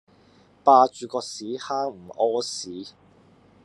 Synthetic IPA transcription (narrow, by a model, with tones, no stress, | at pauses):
paː˧t͡ʃyː˨˧kɔː˧k̚siː˨˥haː˥ŋm̩˨˩ʔɔː˥siː˨˥